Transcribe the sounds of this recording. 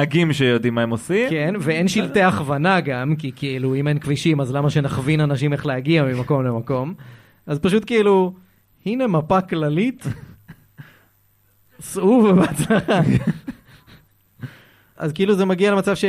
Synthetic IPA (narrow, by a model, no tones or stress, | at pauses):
aɡimʃejod̪imaemosimkenveenʃilt̪eaχvanaɡamkikiiluimenkviʃimazlamaʃe̞naχvinanaʃime̞χleɦaɡiamimako̞mlemako̞m | azpaʃut̪keilu | hine̞mapaklalit̪ | suvbeat͡slaχa | ʔa̰zkeiluzemaɡialemat͡savʃe